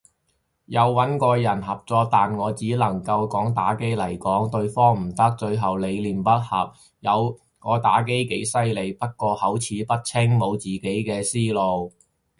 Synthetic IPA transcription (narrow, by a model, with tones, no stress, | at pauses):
jɐ˨˧wːɐ˨˥nkɔː˧jɐ˨˩nɦɐ˨p̚t͡sɔː˧t̪aː˨nŋɔː˨˧t͡siː˨˥lɐ˨˩ŋkɐ˧wkɔː˨˥ŋt̪aː˨˥ke˥jlɐ˨˩jkɔː˨˥ŋt̪ɵ˧ɥfɔː˥ŋm̩˨˩t̪ɐ˥k̚t͡ʃɵ˧ɥɦɐ˨wle˨˧jliː˨˩npɐ˥t̚hɐ˨˩p̚ | jɐ˨˧w | ŋɔː˨˧t̪aː˨˥k̬e˥jke˨˥jsɐ˥jle˨˧jpɐ˥t̚kɔː˧hɐ˨˥wt͡sʰiː˨˧pɐ˥t̚t͡sʰɪ˥ŋmo˨˧wt͡siː˨ke˨˥jkɛː˧siː˥lo˨w